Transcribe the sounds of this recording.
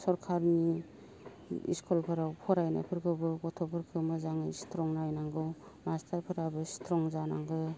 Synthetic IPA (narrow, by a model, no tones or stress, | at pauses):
sɔɾkʰaɾni | ḭskʰɔlpʰɯɾawpʰɔɾajna̰pʰɯɾkʰɯbɯbɔtʰɔpʰɯɾkʰɯmɯzaŋɯjstʰɾɔŋnajnaŋɡɯw | mastʰaɾpʰɯɾabɯstʰɾɔŋzanaŋɡɯ